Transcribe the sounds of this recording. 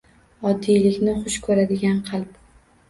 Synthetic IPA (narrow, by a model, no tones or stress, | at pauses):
ɒd̪ːijlɪkʲnɪχʊʃkʰɵɾad̪ɪɡʲanqʰɑlˠp